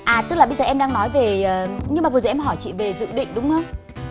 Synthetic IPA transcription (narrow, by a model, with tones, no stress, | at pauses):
ʔaː˨˩t̪ɨ˦˥k̚laː˨˩ɓzəː˨˩ʔɛ˧mɗaː˧ŋnɔ˨˦jve˨˩ʔəː˨˩ɲɨ˧maː˨˩və˨˩zo˧˩˨ʔɛ˧mɦɔ˧˩jt͡ɕḭ˧˨ve˨˩zɨ̰˧˨ɗḭ̈˧˨ŋ̟ɗʊ˨˦ŋ͡mhəː˧w